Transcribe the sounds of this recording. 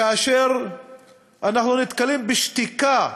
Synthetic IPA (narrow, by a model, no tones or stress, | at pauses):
ʔaʃɛɾ | ʔanaħnunɪt̪kalːimbɪʃt̪ɪka